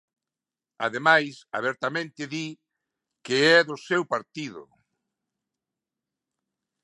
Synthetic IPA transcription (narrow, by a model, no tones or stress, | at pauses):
a̰ðemajsa̰β̞ɛɾt̪amẽnt̪ɪði | keɛðʊsewpaɾt̪iðʊ̰